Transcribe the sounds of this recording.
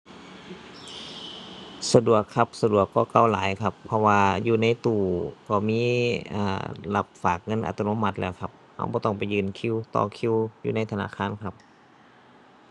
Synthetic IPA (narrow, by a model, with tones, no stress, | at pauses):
sa˧du˨˩əkʰːa˧˥p̚sa˧du˨˩əkːɔː˧˩ka˧˩˨wlaː˨˦jkʰa˧pʰːɔ˧waː˧juː˧na˧˥˨jt̪uː˧˩kɔː˧˩miː˧˥˨ʔa̰ː˧˩la̰˧p̚faː˨˩k̚ŋɤ˧˥˨nʔa̰˧t̪ʰːa˧no˧˥˨ma˧˥t̪̚lɛː˧˩wkʰa˧˦p̚ha̰˧˩wbɔː˧˦t̪ɔ˧˥˩ŋpa˨jːɯː˧˩˨nkʰi˧˥˨wt̪ɔ̰ː˧˩kʰi˧˨wjuː˧˨na˧˥˨jt̪ʰa˧na̰ː˧˥˨kʰaː˧˥˨nkʰa˧p̚